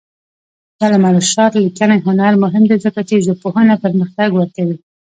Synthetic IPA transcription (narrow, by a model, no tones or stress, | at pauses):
d̪̥ɑlamaɾəʃɑt̪likanajɦʊnaɾmʊɦɪmd̪ezəkat͡ʃeʒopohənapəɾməxt̪aɡwəɾkawi